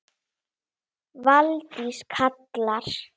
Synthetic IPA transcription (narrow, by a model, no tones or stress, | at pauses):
valt̪iskʰat̪laɾ̥